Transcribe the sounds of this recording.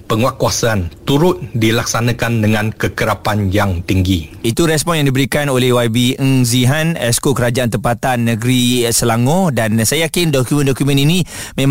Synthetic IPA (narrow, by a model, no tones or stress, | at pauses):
pəŋuakuasaant̪uɾʊt̪̚dilaksanãkandəŋãnkəkəɾapanjaŋt̪iŋɡiit̪uɾɛspɔnjãŋdibəɾikanolɛhwabiəŋziɦanɛskokəɾad͡ʒaant̪əmpat̪anːəɡəɾisəlaŋodansajajakɪndɔkumə̃ndɔkumə̃ninĩ | mẽm